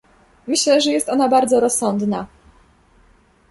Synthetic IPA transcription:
mɘɕlɛʐɛjɛst̪ɔnabaɾd̪zɔɾɔsːɔnd̪na

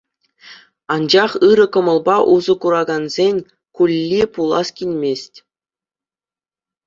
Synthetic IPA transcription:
ɑnd͡ʑɑχɯɾɤ̆kɤ̆mɤ̆lˠbɑʔuzɤ̆kuɾɑɡɑnzʲenʲ | kulʲːipulˠɑskʲilʲmʲesʲtʲ

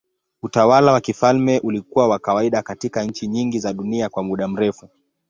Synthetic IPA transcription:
utawalawakifalmɛʔulikuwawakawaiɗakatikaɲ̩t͡ʃiɲiŋɡizaɗuniakwamuɗam̩ɾɛfu

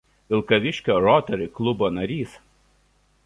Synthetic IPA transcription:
ʋʲɪlˠkɐʋʲɪʃʲkʲoːɾɔt̪ʲɛɾɪklˠʊboːnɐɾʲiːs

